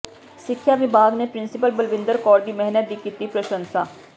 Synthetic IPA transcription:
sɪkʰːjaːʋɪbaːɡneːpɾɪnsɪpəlbəlʋɪ̃nd̪əɾkɔːɾd̪iːmɛɦnət̪̚d̪iːkiːt̪ipɾəʃə̃nsaː

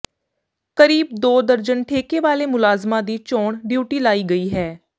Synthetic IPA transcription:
kəɾiːb̚d̪oːd̪əɾd͡ʒənʈʰeːkeːʋaːleːmʊlaːzmãːd̪iːt͡ʃɔːɳɖjuːʈiːlaːiːɡəiːɦɛː

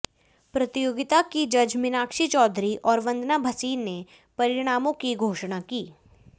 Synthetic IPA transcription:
pɾɐt̪ɪjoːɡɪt̪akid͡ʒɐd͡ʒmɪnaːkʃit͡ʃɔːd̪ɾiʔɔːɾʋɐ̃nd̪ʱnabʱɐsiːnːe | pɐɾɪɽ̃aːmõkiɡʱoːʃɽ̃akiː

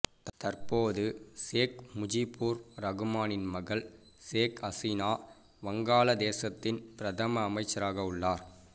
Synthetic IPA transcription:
t̪ɐɾpoːðɯseːkmʊd͡ʒipːuːɾɾɐɣɯmaːnɪnmɐɣɐɭ | seːkɐsɪnaː | ʋɐŋɡaːlɐd̪eːsɐt̪ːɪnpɪɾɐt̪ɐmɐːmɐɪt͡ʃːɐɾaːɣɐʊɭːaːɾ

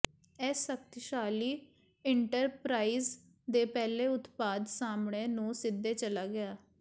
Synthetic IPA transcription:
ɛːsək̚t̪ʃaːliː | ɪɳʈəɾpɾaːiːz | d̪eːpɛːleːʊt̪paːd̪saːmɳeːnũːsɪd̪ːeːt͡ʃəlaːɡɪaː

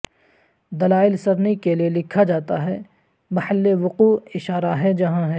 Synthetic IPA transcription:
d̪ɐlaːɪlsɐɾnikelielɪkʰad͡ʒaːt̪aɦɛː | mɐhəlːeʋʊquːɪʃaːɾaɦɛd͡ʒɐɦãɦɛː

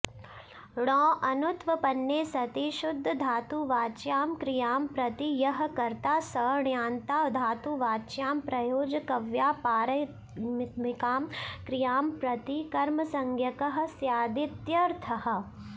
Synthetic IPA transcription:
ɽɔːʔɐnut̪ʋɐpɐnːeːsɐt̪iʃʊd̪ʱːɐd̪ʱaːt̪uʋaːt͡ʃjaːmkɾijaːmpɾɐt̪ijɐɦɐ̆kɐɾt̪aːsɐːɳjaːnt̪aːʋd̪ʱaːt̪uʋaːt͡ʃjaːmpɾɐjoːd͡ʒɐkɐʋjaːpaːɾɐ | mmɪkaːmkɾijaːmpɾɐt̪ikɐɾmɐsɐŋɡʱjɐkɐɦɐ̆sjaːd̪it̪jɐɾt̪ʰɐɦɐ̆

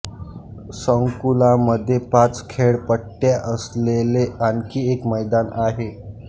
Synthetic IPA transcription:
səŋkulãməd̪ʱːjepat͡skʰeɭpəʈʈːjaʔəsleleankiːekməjd̪anaɦe

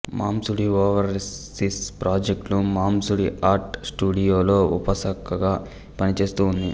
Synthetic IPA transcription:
mʔaːmsuɽiʋɔːʋɐɾsispɾaːd͡ʒek̚ʈlumaːmsuɽiʔaːɾʈsʈuːɽijoːlo̞ːṵpɐsɐkɐɡaː | pɐnit͡ʃe̞ːst̪uːnd̪i

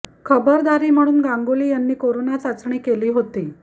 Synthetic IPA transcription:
kʰəbəɾd̪aɾiːm̤əɽ̃uːnɡãŋɡoliːjanːiːkoɾonat͡sat͡sɳ̃iːkeliːɦot̪iː

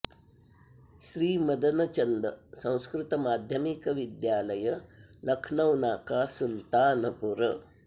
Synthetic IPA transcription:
ʃɾiːmɐd̪ɐnɐt͡ʃɐnd̪ɐsɐ̃w̃skɾɪt̪ɐmaːd̪ʱjɐmikɐʋid̪jaːlɐjɐlɐkʰnɐwnaːkaːsult̪aːnɐpuɾɐ

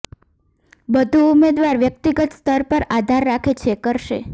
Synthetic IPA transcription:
bəd̪ʱuumed̪ʋaɾʋjək̚t̪iɡət̪st̪ʰəɾpəɾad̪ʱaɾːakʰet͡ʃʰekəɾʃe

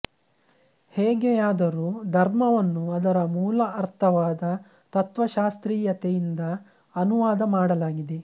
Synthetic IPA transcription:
heːɡejaːd̪ɐɾuːd̪ʱɐɾmɐʋɐnːuɐd̪ɐɾɐmuːlɐɐɾt̪ʰɐʋaːd̪ɐ | t̪ɐt̪ʋɐʃaːst̪ɾiːjɐt̪ejind̪ɐ | ɐnuʋaːd̪ɐmaːɽɐlaːɡid̪e

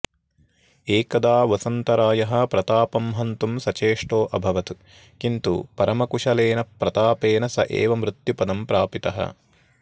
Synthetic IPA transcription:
eːkɐd̪aːʋɐsɐnt̪ɐɾaːjɐɦɐ̆pɾɐt̪aːpɐmɦɐnt̪umsɐt͡ʃeːʂʈoːʔɐbʱɐʋɐt̪u | kint̪ṵpɐɾɐmɐkuʂɐleːnɐpːɾɐt̪aːpeːnɐsɐ̰ʔḛːʋɐmɾit̪jupɐd̪ɐmpɾaːpit̪ɐ̰ɦɐ̰

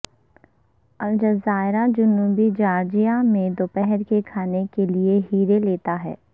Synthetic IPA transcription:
ɐld͡ʒɐzaːɪɾad͡ʒʊnːuːbid͡ʒaːɾd͡ʒijamẽd̪oːpɛɦɛɾkekʰaːnekelieɦiːɾeleːt̪aɦɛ̰ː

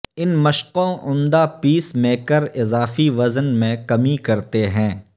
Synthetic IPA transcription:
ɪnmɐʃqõʔʊ̃nd̪apiːsmeːkəɾɪzaːfiʋɐzənmẽkɐmikɐɾt̪eɦɛ̃ː

